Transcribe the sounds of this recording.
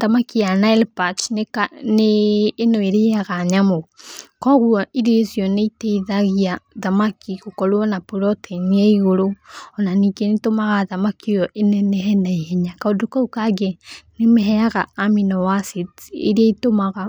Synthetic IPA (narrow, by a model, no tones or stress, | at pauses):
ðamakijanaɛlpat͡ʃnekaneːnoeɾeaɣaɲamokɔɣuaiɾezjɔneiteiðaɣiaðamakiɣokɔlwɔnapoɾɔteniaiɣoɾoɔnanikenitomaɣaðamakijɔʔenɛnɛɦɛnaiheɲakaodokaukaɡenemeɦɛjaɣa̰ːminɔwasitḛɾiaitomaɣa